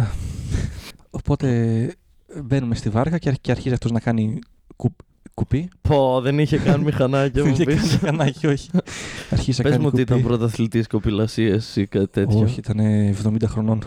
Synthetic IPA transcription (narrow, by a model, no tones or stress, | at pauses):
ɐ | o̞po̞t̪e̞ | be̞nume̞st̪ivɐɾɣɐceceɐɾçiziɐft̪oznɐkɐni | ku | kupipoðeniçekɐnimixɐnɐcɐiçepixɐnɐcio̞çi̥ɐɾçizinɐpeɐzmuokut̪iit̪ɐpɾot̪ɐθlit̪iskopilɐsiesikɐt̪i̥t̪et̪oçiit̪ɐneːvðo̞mind̪ɐxɾo̞no̞n